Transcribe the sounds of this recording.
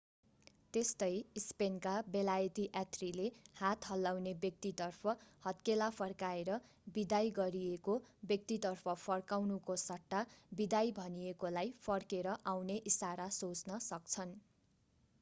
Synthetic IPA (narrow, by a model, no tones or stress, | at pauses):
t̪est̪ʌjispenkabelajt̪iʔat̪rilehat̪ɦʌlːawnebjʌk̚t̪it̪ʌrpʰʌhʌt̪kelapʰʌrkaeɾʌ | bid̪ajɡʌɾiekobjʌk̚t̪it̪ʌrpʰʌpʰʌrkawnukosʌʈːabid̪ajbʱʌniekolajpʰʌrkeɾʌʔawneʔisaɾasot͡snʌsʌk̚t͡sʰʌn